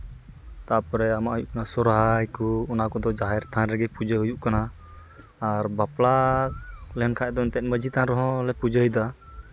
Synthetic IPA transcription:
t̪apɔɾɛamaʔɦujuʔkanasɔɾɦajkuɔnakɔd̪ɔd͡ʒaɦɛɾt̪ʰãnɾɛɡɛpud͡ʒəɦujuʔkanaː | ɾbapla | lɛɛnkʰad̪ɔnt̪ɛt̪̚ˀməd͡ʒit̪ãnɾɔɦɔ̃lɛpud͡ʒəjd̪a

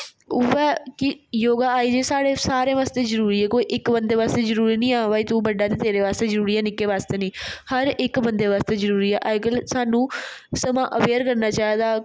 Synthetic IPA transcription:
ʊɛːkɪjoːɡaːaːiːd͡ʒeːsaːɽeːsaːɾẽːʋaːst̪eːzəɾuːɾiːɛːkoːiːʔɪkbənd̪eːʋaːst̪eːzəɾuːɾiːnĩːaːʋaːit̪uːbəɖaːt̪eːt̪eːɾeːʋaːst̪eːzəɾuːɾiːɛːnɪkːeːʋaːst̪eːnĩːhəɾɪkbənd̪eːʋaːst̪eːzəɾuːɾiːɛ̰ːʔaːɪkəlsaːnũːsəmãːʔəʋeːɾkəɾnaːt͡ʃaːeːd̪aː

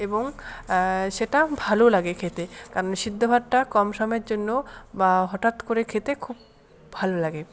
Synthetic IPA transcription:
eboŋ | ʃeʈabʱalolaɡekʰet̪ekaɾonʃid̪ʱːobʱaɾʈakɔmʃɔmeɾd͡ʑonːobaɦɔʈat̪koɾekʰet̪ekʰub | bʱalolaɡe

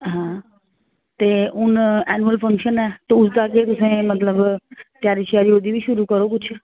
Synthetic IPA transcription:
ɦãː | t̪eːʊnɛːnuəlpʰə̃ŋkʃənɛːt̪oʊsd̪aket̪ʊsẽmət̪ləbt̪jaːɾiʃaːɾioːd̪ibʱiʃʊɾukəɾokʊt͡ʃʰ

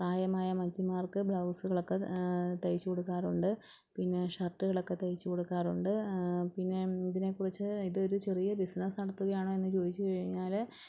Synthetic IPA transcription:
praːjɐmaːjɐmɐd͡ʑimaːrkɨbɭɐwsɨɣɐɭokːe̞t̪ɐjit͡ɕːuko̞ɽukːaːruɳɖɨ | pinːe̞ʂɐrʈːɨɣɐɭɐokːe̞t̪ɐjit͡ɕːuko̞ɽukːaːruɳɖɨpinːe̞iðine̞kːurit͡ɕːɨiðɨo̞ɾut͡ɕe̞rijɐbisnɐsnɐɽɐt̪ːuɣɐjaːɳoe̞nːɨt͡ɕo̞ːd̪it͡ɕːɨkɐɻiɲːaːl

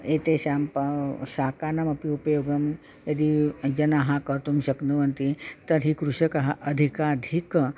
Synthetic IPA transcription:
eːt̪eːʃaːmpɐʃaːkaːnɐmɐpiupɐjoːɡɐm | jɐd̪id͡ʒɐnaɦakɐɾt̪umʃɐknuʋɐnt̪it̪ɐɾɦikɾuʃɐkɐɦɐʔɐd̪ʱikaːd̪ʱik

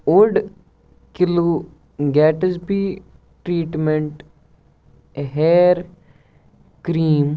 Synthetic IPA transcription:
ʊɖ | kɪloː | ɡɛːʈəspiː | ʈɾiːʈmeɳʈ | ɦeːɾ | kɾiːm

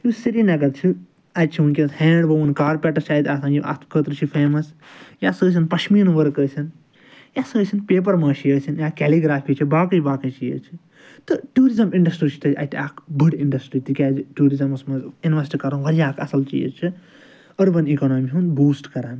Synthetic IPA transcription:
jusiɾiːnɐɡɐt̪t͡ʃʰi | ɐd͡ʒt͡ʃʰiunkʲet̪hẽːɳɖbɐʋunkaːɾpʲɛʈɐɾt͡ʃʰaːit̪ʲasãːniʔɐ̰kət̪ɾɨt͡ʃʰifʰeːmɐsjasəːs̬ʲinpɐʃmiːnʋɐɾkəːsʲin | jaːsəːsʲinpeːp̬ɐɾmaːt͡ʃʰijəːsʲinjaːkʲɛːliɡɾaːpʰiːt͡ʃʰibaːkɐjbaːkɐt͡ʃijə̰t͡ʃʰi | t̪ɨʈuːɾizɐmĩɳɖɐsʈit͡ʃʰi̥t̪ɐɐ̰t̪ʰiaːkbɨɖiɳɖɐsʈɾiːt̪ikʲaːd͡ʒʈuːɾizɐmɐsmɐzinʋɐsʈikɐɾɐnʋɐɾjaːkʰɐsɐlt͡ʃḭːzt͡ʃʰi | ɐɾbɐnikoːnoːmiɦunbuːsʈkɐɾaːn

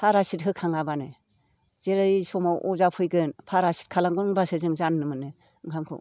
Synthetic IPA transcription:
pʰaɾasit̚ɦɯkʰaŋabanɯ | z̥eɾɯsɔmaʔɔzapʰɯjɡɯnpʰaɾasi̥t̚kʰalaŋɡɯnŋbasɯzɯŋzanːɯmɯnɯ | ɯŋʰamkʰṵ

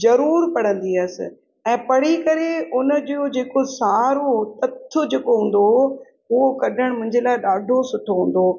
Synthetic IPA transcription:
zɐɾuːɾpɐɽ̤ə̃nd̪iɐsɪ̰̆ | ɛ̃ːpɐɽ̤ikɐɾeʊnəd͡ʑod͡ʑeːkosaːɾot̪ɐt̪ʰːʊd͡ʑeːkoɦũːn̆d̪o | ʊɦokɐɗʱəɽ̃mʊ̃ɦɪ̃ɲd͡ʑelaːɪɗaːɖʱosʊʈʰoɦũːn̆d̪oː

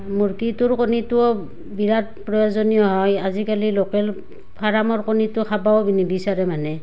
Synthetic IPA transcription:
muɹkituɹkonitʊɔ | biɹat̚pɹɔjɔzɔnijɔɦɔjazikalilɔkɛl | pʰaɹamɔɹkonitʊkʰabaobinibisaɹɛmanɛ

